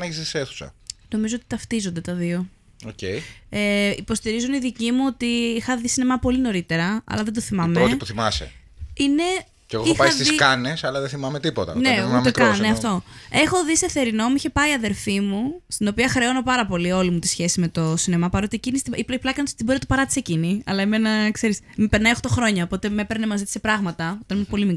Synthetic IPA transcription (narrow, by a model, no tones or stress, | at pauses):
nɐçisiseθu̥sɐ̰no̞mizo̞ot̪i̥t̪ɐft̪izo̞nd̪e̞t̪ɐðio̞ | ocejeipo̞st̪iɾizuniðicimuo̞t̪iixɐðisinemɐpo̞lino̞ɾit̪e̞ɾɐɐ̰lɐðend̪oθimɐmeɾot̪puθimɐsḛ | ine̞ | ceɣoixpɐiɐst̪isikɐne̞sɐlɐðeθimɐmet̪ipot̪ɐ̰nemɐmekkɐneɐft̪o̞e̞xo̞ðiseθe̞ɾino̞muiçe̞pɐiɐðe̞ɾfimust̪inopiɐxɾeo̞no̞pɐɾɐpo̞lio̞limut̪i̥sçe̞sime̞t̪o̞sinemɐpɐɾo̞t̪iecinist̪iipplɐkɐntst̪ibɾinɐt̪opɐɾɐt̪i̥seciniɐ̰lɐeme̞nɐkse̞ɾismipeɾnɐioxt̪o̞xɾo̞ɲɐopo̞t̪e̞mepeɾnemɐzit̪i̥sepɾɐɣmɐt̪ɐot̪ɐnimpo̞limik